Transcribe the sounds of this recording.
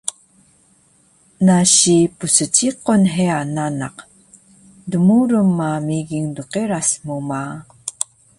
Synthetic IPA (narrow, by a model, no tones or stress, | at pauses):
naɕipusət͡ɕiqonɦeanana̰q | dumuɾəmːamiɡiŋduqeɾasmuma